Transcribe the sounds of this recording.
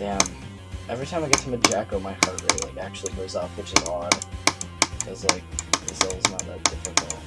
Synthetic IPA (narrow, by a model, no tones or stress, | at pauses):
æ̃m | ʔɛvɹitʰãɪ̃maɪɡɛtʰəmaɪd͡ʒækoʊmaɪhɑtɹeɪlaɪkæk̚t͡ʃʉl̩ˠiɡoʊzɔʊfwɨt͡ʃɨzɑd | kʰʌzlaɪk̚ðɨsoʊlˠznət̪̚ə̰d̥ɪfɨkl̩ˠt